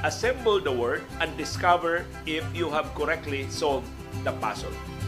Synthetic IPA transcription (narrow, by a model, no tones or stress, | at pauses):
ʔɐsɛ̃mbəld̪ɐwɛɹd̪ɛ̃nd̪ɪskavɛɹ | ɪfjuɦævkɔɾɛk̚t̪lisold | d̪ɐpa̰sɔ̰l